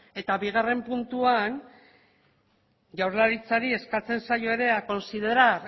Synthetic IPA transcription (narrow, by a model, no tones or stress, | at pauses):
e̞t̪aβiɣare̞mpunt̪uan | ʝawɾlaɾit͡saɾie̞skat͡se̞nsajo̞e̞ɾe̞ako̞nsiðe̞ɾaɾ